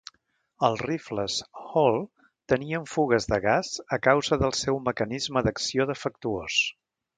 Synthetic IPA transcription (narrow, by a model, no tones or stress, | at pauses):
əlˠrifləshɔlˠ | t̪əniəɱfuɣəzðəɣazəkawzəðəlˠsɛwməkənizməðəksioðəfək̚t̪uos